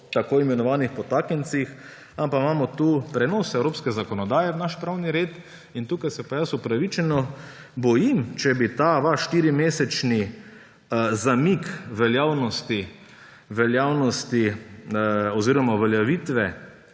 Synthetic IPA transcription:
t̪akoːimɛnɔʋaːnixpɔt̪aːkənt̪six | ampamaːmɔt̪upɾɛnosɛwɾoːpskɛzakɔnɔd̪aːjɛwnaʃpɾaːwniɾeːt̪ | int̪uːkajsɛpajasupɾaʋit͡ʃɛnɔ | bɔjimt͡ʃɛbit̪aʋaʃʃt̪iːɾimeːsɛt͡ʃni | zamikʋɛljaːwnɔst̪i | ʋɛljaːwnɔst̪i | ɔziːɾɔmaʋɛljaʋit̪ʋɛ

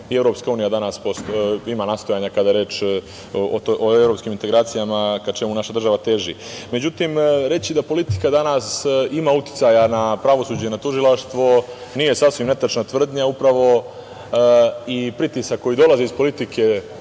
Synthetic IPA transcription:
ie̞vɾo̞pskauːnijad̪anaspost̪imanaːst̪o̞jaɲakad̪ajeɾe̞ːt͡ʃ | ooevɾopskimint̪e̞ɡɾaːt̪sijamakat͡ʃe̞munaʃad̪r̩ʒaʋat̪e̞ʒḭmed͡ʑut̪imɾe̞t͡ɕid̪apo̞lit̪i̥kad̪anasimaut̪i̥t̪sajanapɾaʋo̞suːd͡ʑenat̪uʒilˠaʃt̪ʋo̞niːje̞sasʋimne̞t̪at͡ʃnat̪ʋr̩d̪ɲaupɾaʋo̞ | ipɾit̪isakːo̞jid̪o̞lazeispo̞lit̪ikʰe̞

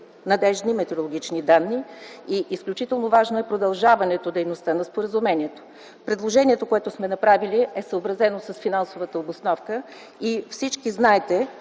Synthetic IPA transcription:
nɐd̪ɛʒnimɛt̪ɛɾolˠoɡʲit͡ʃnid̪anːiiʔisklʲut͡ʃit̪ɛlˠnovaʒnoɛpɾod̪ɐlˠʒavɐnɛt̪od̪ɛjnost̪ənɐspoɾəzumɛniɛt̪o̥ | pɾɛd̪lˠoʒɛniɛt̪okoɛt̪ʊsmɛnɐpɾaviliɛsəobɾɐzɛnosəsfinansovət̪əobosnɔfkə | ifsit͡ʃkiznaɛt̪ɛ

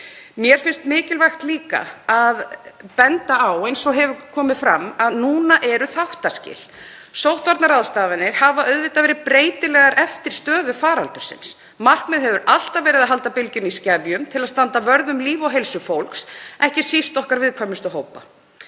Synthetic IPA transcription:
mjɛɾ̥fɪnst̪mɪːcɪlvajxt̪liːka̰aðpɛnt̪aawejnsɔɣɦɛvʏkʰɔːmɪðfɾamːaðnuːnaʔɛɾʏθawht̪ascɪ̰ːl̥ | sowht̪vaɾt̪naɾaðst̪aːvanːɪɾ̥havaœðvɪt̪avɛːɾɪðpɾeːjt̪ɪlɛɣaɾʔɛft̪ɪɾ̥st̪œːðʏfaːɾalt̪ʏɾ̥sɪ̰ns | mar̥kmɛðɦɛvʏɾʔal̥t̪avɛːɾɪðaðɦalt̪apɪlcʏniscaːvjʏmt̪ʰɪlaðst̪ant̪avœɾðʏmliːvɔɦejlsʏfowlksɛhcɪ̥sist̪ɔhkaɾvɪðkʰvaɾmɪst̪ʏɦowpa̰

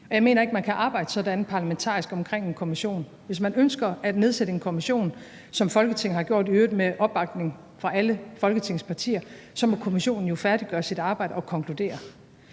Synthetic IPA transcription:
ɒ̽jɑ̈ɪme̝̰ːnɐe̝ɡ̥mænkʰæʔɑ̈ːb̥ɑ̈ɪdəsɒ̽dænpʰɑ̈læment͡sʰɑ̰̈ːisɡ̥ɒ̽mkʰʁeŋ̰e̝nkʰo̝miɕo̝̰ːn | ʋe̝s̬mænønsɡ̥ɐæd̥ne̝ðˠseɾ̥əe̝nkʰo̝miɕo̝̰ːn | sɒ̽mfɒ̽lɡ̥ət͡sʰe̝ŋ̩hɑ̈ɡ̥jo̝ɐ̰d̥iøːð̩ˠmeʔɒ̽b̥ːɑ̈ɡ̥̚ne̝ŋ | fʁɑ̈ʔæləfɒ̽lɡ̥ət͡sʰe̝ŋ̰spʰɑ̈t͡sʰḭːɐ | sɒ̽mɒkʰo̝miɕo̝̰ːnn̩jo̝fæɐd̥iɡ̥ɶːɐsid̥ɑ̈ːb̥ɑ̈ɪdəɒ̽kʰɒ̽ŋkʰlud̥e̝̰ːɐ

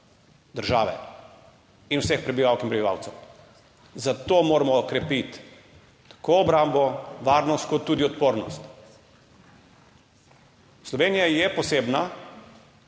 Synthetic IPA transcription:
d̪əɾʒaːʋɛ̰ | inwsɛxpɾɛbiʋaːwkinmpɾɛbiʋa̰ːwt̪sɛw | zat̪omoɾamɔkɾɛpit̪ː | ḁkʰoɔbɾambɔʋaːɾnɔst̪̚kɔt̪ːuːd̪iɔt̪̚poːɾnɔst̪ | slɔʋeːnijajɛpɔseːbna

